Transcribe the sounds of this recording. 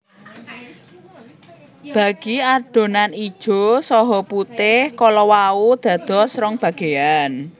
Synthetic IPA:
b̥ä̤ɡ̥i̤aɖ̥o̤nanid̥ʒ̥o̤sɔɦɔput̪ɪhkɔlɔwaud̪̥ä̤d̪̥ɔ̤sɾɔŋb̥ä̤ɡ̥e̤an

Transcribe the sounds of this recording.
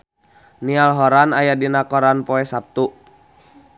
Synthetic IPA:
nialɦɔɾanajadinakɔɾanpɔɛsap̚t̪u

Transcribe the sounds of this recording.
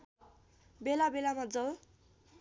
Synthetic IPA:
belabelamad͡zʌl

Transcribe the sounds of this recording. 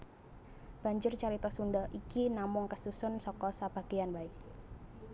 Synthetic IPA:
b̥a̤ɲd͡ʒʊrt͡ʃaɾit̪ɔsundɔʔikinamʊŋkəsusʊnsɔkɔsab̥a̤ɡ̥eanbai

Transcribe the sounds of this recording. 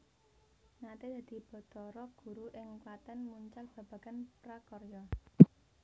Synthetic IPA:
ŋat̪ed̪̥ä̤d̪̥i̤b̥ɔ̤t̪ɔɾɔɡ̥ṳɾuʔɪŋkwat̪ɛnmuɲt͡ʃalb̥a̤b̥ä̤ɡ̥anpɾakɔrjɔ

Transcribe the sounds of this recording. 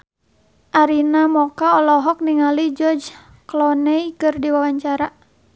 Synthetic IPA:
ʔaɾinamɔkaɔlɔɦɔk̚niŋalid͡ʒɔrd͡ʒ | klɔnɛikɨrdiwawaɲt͡ʃaɾa

